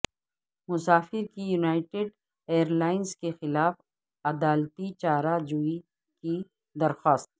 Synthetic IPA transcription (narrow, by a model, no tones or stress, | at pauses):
mʊsaːfɪɾkijunaːɪʈeɖ | eːəɾlaːɪnskexɪlaːf | ɐd̪aːlt̪it͡ʃaːɾad͡ʒui | ki | d̪ɐɾxaːst̪̚